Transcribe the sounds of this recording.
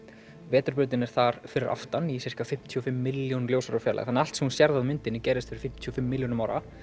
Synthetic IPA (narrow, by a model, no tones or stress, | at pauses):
vɛːt̪ʏɾpʏɾt̪ɪnɛɾ̥θaɾ̥fɪɾɪɾʔa̰ft̪anisɪr̥kafɪm̥t̪ʰiɔfɪmːɪljownljowsaɾʏfjɛːlʔa̰ɣθanːal̥t̪sɛmhunsjɛɾðaðmʏnt̪ɪnːɪcɛːɾɪst̪fɪɾɪ̥ɾfɪm̥t̪ʰiɔfɪmːɪljownmawɾʔa̰